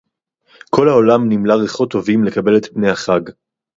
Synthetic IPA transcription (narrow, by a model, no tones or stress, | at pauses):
kʰo̞lhaolamnimlaʁeχot̪ːo̞vimle̞kabe̞let̪pne̞jhaχaɡ